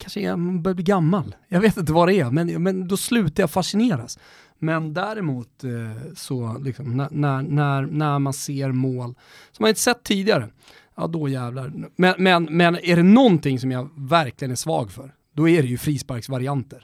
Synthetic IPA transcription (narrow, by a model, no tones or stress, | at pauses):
kʰanʂəɛmanbœːɾab̪iːɡamːaljɑɡveːt̪ɪnt̪̬əvad̪ɛæmɛnmɛnd̪ɔslʉ̟ːt̪aɾjafaʂɪneːɾas | mɛnd̪æɾɪmuːt̪sɔlɪksɔmnænænæɾnæɾmanseːɾmoːl | sɔmhaɪt̪əsɛt̪ʰːiːd̪ɪɡaɾə | ɑ̰ːd̪ɔjæːvlaɾmɛnmɛnmɛnæɖɛnɔnt̪ʰɪŋsɔmjavæɾklɪɡənæʂvɑ̰ːɡfœɾ | d̪ɔæɾɛjɵfɾiːspaɾksvaɾɪant̪əɾ